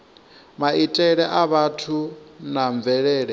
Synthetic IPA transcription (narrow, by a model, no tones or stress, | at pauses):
maitʼɛɺɛʔaβatʰunaɱb̪vɛɺɛːɺɛ